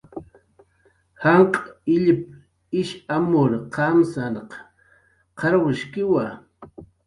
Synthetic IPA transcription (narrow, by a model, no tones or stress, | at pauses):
hɑɴqʼaɪʎɪp̚ | ɪʃamʊɾqʰɑmsanq | qɑɾwɪʃkɪwa